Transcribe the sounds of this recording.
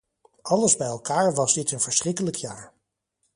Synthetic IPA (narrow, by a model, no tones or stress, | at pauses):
ʔɑləzbɛjɛlˠkaːɹʋɑzdɪtənv̥əɹsrɪkələkʰjaːɹ